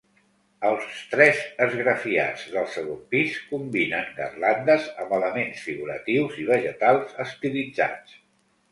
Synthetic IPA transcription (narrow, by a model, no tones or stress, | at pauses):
əlˠst̪ɾɛzəzɣɾəfia̰d͡zðəlˠsəɣompiskumbinənə̰rland̪əzəmbələmensfiɣuɾə̰t̪iwziβ̞əʒət̪alˠzəst̪ilid͡za̰t͡s